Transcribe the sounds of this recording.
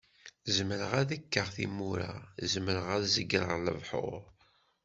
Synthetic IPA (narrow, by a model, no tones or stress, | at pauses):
zəməɾəʁæðækːəʁθḭmːuɾa̰zəməɾəʁæðzəɡːɾə̰ʁlə̰vħʊ̰ʁ